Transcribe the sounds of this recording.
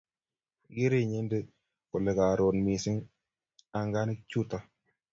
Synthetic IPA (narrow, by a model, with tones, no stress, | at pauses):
ɡe˦ɾe˨ɲe˦nde˦ | ko˨lɛ˨ka˨ɾo˨nmi˨sɪ˦ŋ | a˨ŋɡa˦nɪ˦k̚t͡ʃu˦ta˨